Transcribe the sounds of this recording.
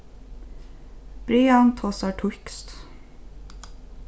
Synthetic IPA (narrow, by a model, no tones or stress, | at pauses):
b̥ɾiɑnt̪ʰɔsɑːʈʰʊkst̪